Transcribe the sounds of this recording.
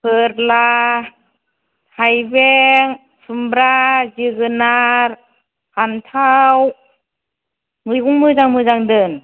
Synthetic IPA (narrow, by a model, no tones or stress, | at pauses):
pʰɯɾla | hajbeŋ | sɯmbɾaziɡɯnaɾ | hantʰaw | mɯɡuŋmɯzaŋmɯzaŋdɯn